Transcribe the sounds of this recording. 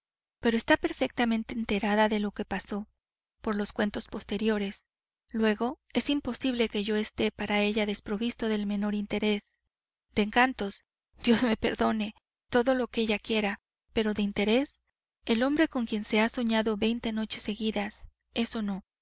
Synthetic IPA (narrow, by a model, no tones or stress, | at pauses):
pe̞ɾoest̪ape̞ɾfe̞k̚t̪amẽ̞nt̪e̞ːnt̪e̞ɾaðaðe̞lo̞ke̞paso̞ | po̞ɾlo̞skwe̞nt̪o̞spo̞st̪e̞ɾjo̞ɾe̞s | lwe̞ɣo̞ | e̞simpo̞siβle̞ke̞ʝo̞e̞st̪e̞paɾae̞ʝaðe̞spɾo̞βist̪o̞ðe̞lmẽ̞no̞ɾint̪e̞ɾe̞s | d̪̥e̞ːŋkant̪o̞s | d̪̥jo̞zme̞pe̞ɾðo̞ne̞ | t̪o̞ðo̞lo̞keeʝakje̞ɾa | pe̞ɾo̞ðeint̪e̞ɾe̞s | e̞lo̞mbɾe̞ko̞ŋkje̞nse̞aso̞ɲaðo̞βe̞jnt̪e̞no̞t͡ʃe̞se̞ɣiðas | e̞so̞no̞